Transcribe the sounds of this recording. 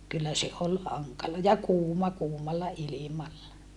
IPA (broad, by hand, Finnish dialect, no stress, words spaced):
kylːæ se ol hɑŋkɑlɑ jɑ kuːmɑ kuːmɑlːɑ ilimɑlːɑ